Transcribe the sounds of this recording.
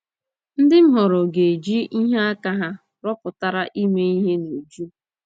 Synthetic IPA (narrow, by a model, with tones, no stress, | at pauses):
n̩˦dɪ˦m̩˦ɦɔ˨ɾɔ˨ɡe˨d͡ʒi˦i˦ɦe˦a˦ka˦ɦa˦ | ɾɔ˦pʊ˨ta˨ɾa˦ʔi˦me˦i˦ɦe˦no˨d͡ʒu˦